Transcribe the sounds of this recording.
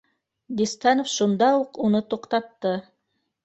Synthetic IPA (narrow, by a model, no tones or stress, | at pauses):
d̪ist̪ɑnofʃund̪ɑuqunɤt̪oqt̪ɑt̪ːɤ